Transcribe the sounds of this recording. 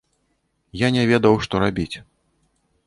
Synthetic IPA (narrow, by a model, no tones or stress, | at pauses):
janʲɛvʲɛd̪ɐwʂt̪ɔɾabʲit͡sʲ